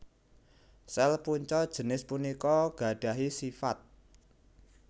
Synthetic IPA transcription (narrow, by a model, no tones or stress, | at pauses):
sɛlpuɲt͡ʃɔd̥ʒ̥ə̤nɪspunikɔɡ̥a̤ɖ̥a̤ɦisifat̪̚